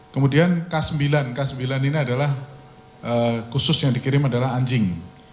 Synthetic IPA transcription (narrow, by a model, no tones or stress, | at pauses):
kəmudiankasəmbilankasəmbilaniniadalah | ʔəkusʊsjaŋdikiɾɪmadalaɦaɲd͡ʒɪŋ